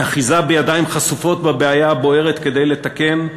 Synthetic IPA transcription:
aχizabejad̪aimχasufo̞t̪̚babeajabo̞e̞ʁet̪ke̞d̪e̞jle̞t̪ake̞m

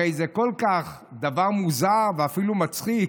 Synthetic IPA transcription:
ejzekolkaχ | d̪avaʁmuzaveafilumat͡sχi

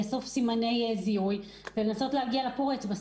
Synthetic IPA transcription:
aso̞fsimane̞jeziuj | velenaso̞tlehaɡialapoʁet͡sba

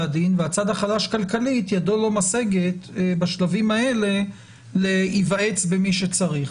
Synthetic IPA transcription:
ad̪inveat͡sad̪haχalaʃkalkalit̪jadolo̞mase̞ɡet̪baʃlavimae̞le̞ | leivae̞t͡sbemiʃet͡saʁiχ

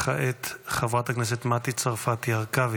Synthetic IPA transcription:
χaʔet̪χavʁat̪aknɛs̬et̪mat̪it͡saʁfat̪jaʁkav

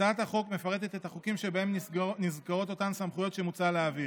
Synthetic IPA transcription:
aat̪haχo̞kme̞faʁe̞t̪e̞t̪et̪haχukimʃebaemnizkaʁo̞to̞t̪ansamχujo̞t̪ʃemut͡saleavi

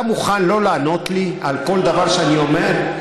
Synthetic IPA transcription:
muχanlo̞laːno̞t̪lialko̞ld̪avaʁʃeanio̞meʁ

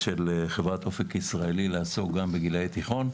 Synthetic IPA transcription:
ʃelχevʁat̪o̞fekisʁaelilaːsoɡambeɡilajt̪iχo̞n

